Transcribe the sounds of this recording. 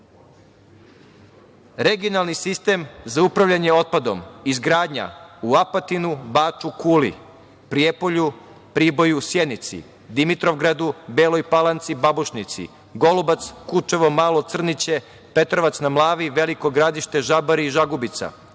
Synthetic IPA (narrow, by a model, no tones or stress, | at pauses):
ɾe̞ɡijonalˠnisist̪e̞ːmzaupɾaʋʎʲaɲe̞o̞t̪̚pad̪omizɡɾaːd̪ɲa̰uapat̪inubaːt͡ʃukuːlḭ | pɾijepo̞ʎu | pɾiːbo̞jusjed̪nit̪sḭ | d̪imit̪ɾo̞ʋɡɾad̪ubeːlo̞jpalˠant̪sibabuʃnit̪sḭ | ɡo̞lubat̪skut͡ʃe̞ʋo̞maːlˠo̞t̪sr̩nit͡ɕe̞ | pe̞t̪ɾo̞ʋat̪snamlˠaːʋiʋe̞liko̞ɡɾad̪iʃt̪e̞ʒabaɾiːʒaɡubit̪sa̰